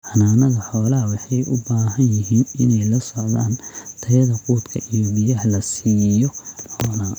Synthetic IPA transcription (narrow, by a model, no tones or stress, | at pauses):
ħɑnaːnɐðɐħɔːlɐɦɐwɑħɑjʔʊ̰baːɦɐnjɪɦiːnɪnɛjlɐsɔʕðaːnt̪ʰɐjɐðɐquːt̪kʰɐʔijɔbɪjɐhlɐsiːjɔɔːna